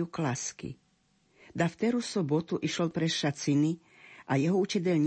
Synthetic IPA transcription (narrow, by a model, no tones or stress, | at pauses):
uklaskḭ | d̪aft̪ɛɾusɔbɔt̪uʔiʃɔlpɾɛʃat͡sini | ʔajɛɦɔut͡ʃɛdɛʎɲ